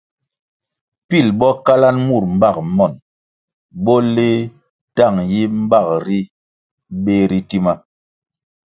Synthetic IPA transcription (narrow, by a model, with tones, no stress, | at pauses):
pi˦˨lɓɔ˦ka˦la˦nmu˦˨ɾ̚m̩˦ba˦˨k̚mɔ˨n | bɔ˦le˦ | ta˦˨ŋji˦m̩˦ba˦˨k̚ɾi˦ | ɓe˦ɾi˦ti˦ma˦